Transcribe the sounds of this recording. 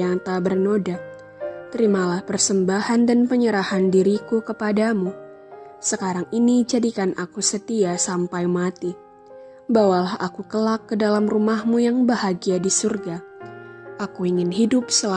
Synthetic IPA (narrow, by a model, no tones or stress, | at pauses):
aŋt̪abərnoda | t̪əɾimalahpərsəmbahandanpəɲəɾahandiɾikukəpadamu | səkaɾaŋinid͡ʒadikanʔakusət̪iasampajmat̪i | bawalaha̰kukəlakːədalamrumahmujaŋbahaɡiadisurɡa | ʔakuiŋɪnɦidʊp̚səla